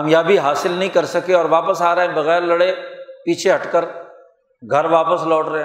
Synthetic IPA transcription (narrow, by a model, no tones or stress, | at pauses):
ɐmjaːbʱiɦaːsɪlnɐɦĩkɐɾsɐkeɔːɾʋaːpəsaːɾɐɦẽbɐɣɛːɾlɐɽepiːt͡ʃʰeɦɐʈkəɾ | ɡʱɐɾʋaːpəslɔːʈɾɐɦẽ